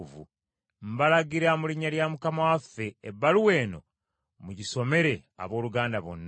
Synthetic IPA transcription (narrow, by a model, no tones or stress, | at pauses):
vṵ | m̩balaɡiɾamuliɲːaljamukamawafːe̞ːbːaluwe̞ːno̞̰ | muɟiso̞me̞ɾe̞a̰βo̞ːluɡaːndaβo̰nː